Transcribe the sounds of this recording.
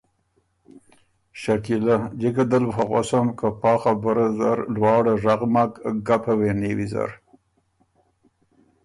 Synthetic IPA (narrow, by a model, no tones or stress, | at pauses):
ʃakilad͡ʒekad̪əlfaɣo̰samkapɑːxabəɾazaɾlwɑːɽaʐaɣmakɡapʰawenewiza̰ɾ